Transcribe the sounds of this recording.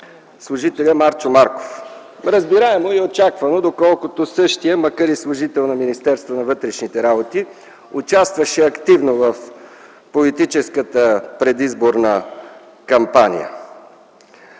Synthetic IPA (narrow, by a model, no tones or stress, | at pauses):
slˠʊʒit̪ɛlʲəmaɾt͡ʃomaɾko̥f | ɾəzbiɾaɛmoiot͡ʃakvənod̪okɔlˠkot̪osɤʃt̪ijəməkaɾislˠʊʒit̪ɛlˠnɐminist̪ɛɾst̪vonɐvɤt̪ɾɛʃnit̪ɛɾabot̪i | ʊt͡ʃast̪vəʃɛɐkt̪ivnovəf | polit̪it͡ʃɛskət̪əpɾɛd̪izboɾnə | kɐmpanḭjə̰